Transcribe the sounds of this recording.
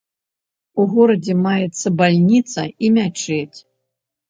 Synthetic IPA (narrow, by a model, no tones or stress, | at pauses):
uɣɔɾɐd͡zʲɛmajɛt̪sːɐbalʲnʲit̪sɐ̰imʲat͡ʂɛt͡sʲ